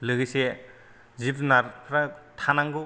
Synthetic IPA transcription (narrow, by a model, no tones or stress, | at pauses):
lɯɡise | zipʰnaɾpʰɾatʰanaŋɡu